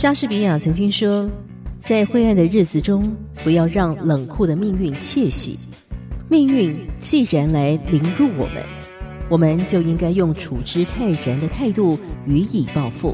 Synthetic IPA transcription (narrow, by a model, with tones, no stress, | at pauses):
t͡ɕa˥ʂɻ̩˥˩pi˧˥ja˨˩t͡sʰɤ˧˥ŋt͡ɕi˥ŋʂwɔ˥ | t͡sa˥˧ɪxwe˥˧ɪa˥˩nd̪ə˩ɻɻ̩˥˩d͡zɹ̩˩ʈ͡ʂʊ˥ŋ | pu˧˥jɑ˥˧ʊɻɑ˥˩ŋlə˨˩ŋkʰu˥˩d̪ə˩mi˥˧ŋy˥˩nt͡ɕʰjɛ˥˩ɕḭ˨˦ | mi˥˧ŋy˥˧nt͡ɕi˥˩ɻa˧˥nla˧˥ɪli˧˥ŋɻu˥˩wɔ̰˨˩mʔə̰˦n | wɔ˨˩mə˦nt͡ɕjo˥˩ʊi˥ŋka˥ɪjʊ˥˩ŋʈ͡ʂʰu˨˩ʈ͡ʂɻ̩˥t̪ʰa˥˩ɪɻa˧˥nd̪ə˧t̪ʰa˥˧ɪt̪u˥˩y˧˥i˨˩pɑ˥˧ʊfṵ˥˩